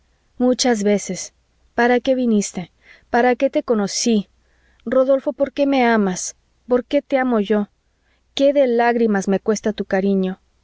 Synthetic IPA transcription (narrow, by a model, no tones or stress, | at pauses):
mut͡ʃazβe̞se̞s | paɾake̞βinist̪e̞ | paɾake̞t̪e̞ko̞no̞si | ro̞ðo̞lfo̞po̞ɾke̞me̞amas | po̞ɾke̞t̪e̞amo̞ʝo̞ | ke̞ðe̞laɣɾimazme̞kwe̞st̪at̪ukaɾiɲo̞